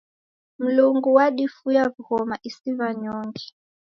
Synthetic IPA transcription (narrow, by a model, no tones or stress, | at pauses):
m̩luŋɡuwaɗifujavuhɔmaʔisivaɲɔŋɡi